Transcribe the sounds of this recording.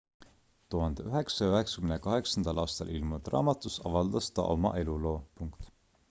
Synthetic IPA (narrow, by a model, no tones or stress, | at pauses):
t̪uɦɑnd̪̥eyɦe̞ksɑjøɦe̞ksɑ̥kymnekɑɦe̞ksɑnd̪̥ɑlʔɑːst̪ɑlʔilmut̪rɑ̰ːmɑt̪ːˑusɑvɑld̪̥ɑst̪ɑ̰ʔo̞̰mɑ̰ʔe̞lulo̞ːpuŋkt̪